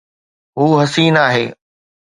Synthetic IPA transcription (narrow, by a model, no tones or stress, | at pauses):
ɦuːɦɐsiːnaːɦḛː